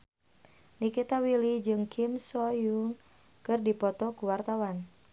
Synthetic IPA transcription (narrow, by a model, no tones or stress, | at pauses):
nikit̪awilid͡ʒɨŋkʰimsɔjuŋ | kɨrdipɔt̪ɔkuwart̪awan